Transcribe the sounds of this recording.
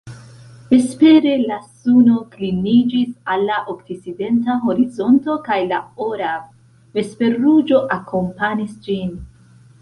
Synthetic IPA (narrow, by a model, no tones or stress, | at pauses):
e̞spe̞ɾe̞lasuno̞klinid͡ʒisalːaʔoktit͡side̞ntaɦo̞ɾizo̞nto̞kajlao̞ɾa | ve̞spe̞ɾud͡ʒo̞ʔakʰo̞mpanisd͡ʒin